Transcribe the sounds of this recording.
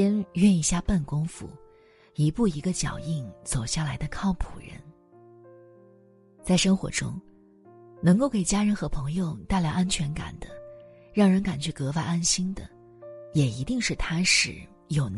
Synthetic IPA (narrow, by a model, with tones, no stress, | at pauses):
ɛ˥nɥɛ˥˧ni˧˥˩ɕja˥˧pa˥˩nkʊ˥ŋfṵ˧˩ | i˧˥pu˥˩i˧˥ɡə˧t͡ɕjɑ̰˨˩ʊi˥˩ŋt͡so˨˩ʊɕja˥˩la˧˥ɪd̪ə˧kʰɑ˥˩ʊpʰu˨˩ɻə̰˧˥n | t͡sa˥˩ɪʂɤ˥ŋxwɔ̰˧˥ʈ͡ʂʊ̰˥ŋ | nɤ˧˥ŋko˥˩ʊke˨˩ɪt͡ɕja˥ɻə˧˥nxɤ˧˥pʰɤ˧˥ŋjo˥˧ʊt̪a˥˧ɪljɑ˥˩a˥nt͡ɕʰɥɛ˧˥nka̰˨˩nd̪̥ə˦ | ɻɑ˥˩ŋɻə˧˥nka˨˩nt͡ɕʰy˥˩kɤ˧˥fa˥˧ɪa˥nɕi˥ŋd̪ə̰˨ | jɛ˨˩i˧˥t̪i˥˧ŋʂɻ̩˥˩t̪ʰa˥ʂɻ̩˨˩˦ | jo˨˩ʊn